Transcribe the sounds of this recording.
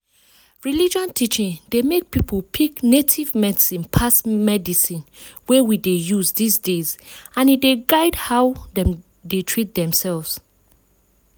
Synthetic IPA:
ɹilid͡ʒɔ̃ntʰit͡ʃĩndemek̚pipʰolpʰiknetʰivmɛdisĩnpʰasmɛdisĩnwewidejuzdisdezãnideɡaɪdhawdɛ̃m | detʰɹit̚dɛ̃msɛlvs

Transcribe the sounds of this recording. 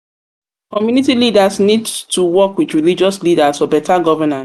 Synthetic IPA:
kɔmjunitilidasnidtʰuwɔkwidɹilid͡ʒɔslidasɔbɛtʰaɡɔvənã

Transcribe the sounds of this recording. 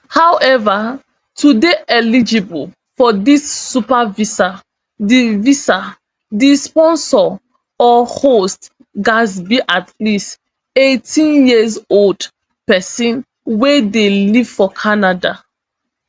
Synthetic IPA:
hawɛva | tudeʔɛlid͡ʒibul | fɔdisːupavisa | divisa | dispɔ̃nsɔ | ɔhost | ɡasbiʔatʰlist | etʰĩnjizold | pɛsĩn | wedeliv̥fɔkʰanada

